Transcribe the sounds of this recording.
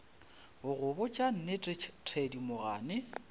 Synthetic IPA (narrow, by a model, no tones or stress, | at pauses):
ɣʊɣʊbʊt͡ʃʼan̩nɪtʰedimʊɣa̰ːnɪ